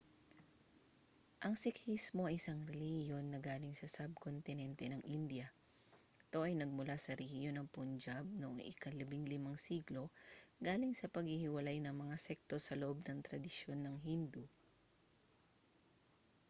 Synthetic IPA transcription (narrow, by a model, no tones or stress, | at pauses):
ʔɐŋsɪkhismo̞ɐʔɪsɐŋɾɛlihjo̞nːɐɡaːlɪŋsɐsɐb̚kont̪ɪnɛnt̪ɛnɐŋʔind̪jɐ | ɪt̪o̞ʔɐjnɐɡ̚mʊlasɐɾɛhjonɐŋpʊnd͡ʒab̚noʔoŋʔɪ̰kɐlɐbɪŋlɪmaŋsiɡlo̞ɡaːlɪŋsɐpɐɡ̚hɪhɪwɐlajnɐŋmɐŋasɛk̚t̪o̞sɐloʔob̚nɐŋt̪ɾɐd̪ɪʃjo̞nːɐŋɦind̪u